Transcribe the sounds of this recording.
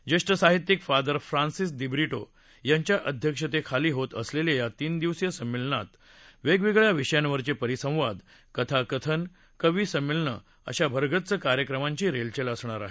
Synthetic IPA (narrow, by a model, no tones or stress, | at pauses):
d͡ʑeʂʈəsaɦit̪jikfad̪əɾfɾãnsisd̪ibɾiʈo̰ | jaɲt͡ɕjaʔəd̪ʱjəkʂət̪ekʰaliːɦot̪əslelejat̪iːnd̪iʋsjəsəmːilɳat̪ | ʋeɡʋiɡɭjaʋiʂəjanʋəɾt͡ɕepəɾisə̃w̃ʋad̪ | kət̪ʰakət̪ʰən | kəʋiːsəmːilɳə̰ | ə̰ɕabʱəɾɡʱətt͡səkaɾjəkɾəmãɲt͡ɕiːɾelt͡ɕeləsɳ̃aɾa̰ɦe